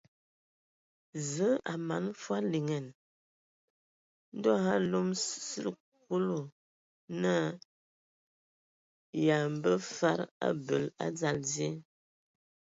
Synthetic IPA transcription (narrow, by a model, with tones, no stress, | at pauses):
zə˨˦a˨ma˨˦n˦fwa˦li˨ŋɛ˨n | n̩˦dɔ˦ɣa˦lo˦m˦sə˦l | k̚o˦lo˨ | na˦ | ja˨m̩˨bə˦fa˦ɾa̰˦bə˨la̰˦d͡za˦˨lzje˦